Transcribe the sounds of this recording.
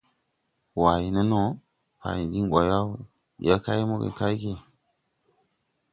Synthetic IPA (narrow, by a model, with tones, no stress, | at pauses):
wa˨ji˨nə˦no˦ | pa̰˨ji˨di˦ŋwa˨ja˦w | ja˦ka˦jmo˦ɡḛ˨ka˦jke˨